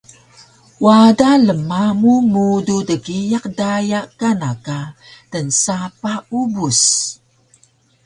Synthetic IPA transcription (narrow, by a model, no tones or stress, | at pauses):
wadaləmamumududəɡijaqdajakanaka | tənsapaubus